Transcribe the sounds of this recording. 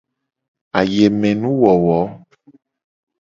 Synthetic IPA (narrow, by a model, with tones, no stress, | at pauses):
a˨je˨mɛ̃˨nũ˦wɔ˨wɔ˨˦